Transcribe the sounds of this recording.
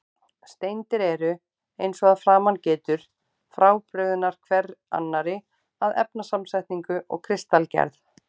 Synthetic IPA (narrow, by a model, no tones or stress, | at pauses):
st̪ejnt̪ɪɾɛɾʏ | ejnsɔɣaðfɾaːmancɛːt̪ʏɾ̥ | fɾaːwpɾœɥðʏnaɾ̥kʰvɛɾa̰nːaɾɪ | aðɛ̰pnasamsajht̪niŋkʏʔɔ̰ɣkʰɾɪst̪alcɛ̰ɾθ